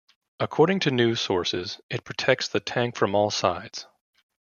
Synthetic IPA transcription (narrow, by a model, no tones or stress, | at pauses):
əkʰɔɹɾɪ̃ŋtʰɨnʉsɔɹsɪzɨt̚pʰɹ̥ɨtʰɛk̚tsðɨtʰæ̃ŋkfɹʌ̃mɔlˠsaɪdz̥